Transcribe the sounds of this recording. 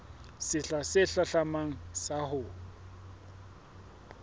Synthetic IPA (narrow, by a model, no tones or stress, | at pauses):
sɪɬasɪɬaɬamaŋ̩sahʊː